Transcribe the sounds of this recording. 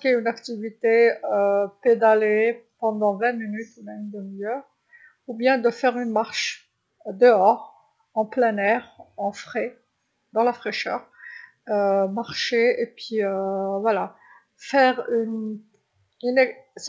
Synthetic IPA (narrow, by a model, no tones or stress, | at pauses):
kʲeynakt̪ivit̪eøped̪alepɑ̃d̪ɑ̃vɛ̃minyt̪nɛ̃ynd̪əmijœʁ | ubjɛ̃d̪əfɛʁynmaʁʃ | d̪əɔʁ | ɑ̃plɛnɛʁɑ̃fχe | d̪ɑ̃lafχeʃœ̰ːʁ | ømaʁʃeepɥiøvwala | fɛʁyn | ynɛs